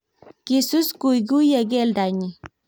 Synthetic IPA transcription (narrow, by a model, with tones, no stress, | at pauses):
ki˨su˦sku˨jɡu˦je˨ɡe˦lda˨ɲi˨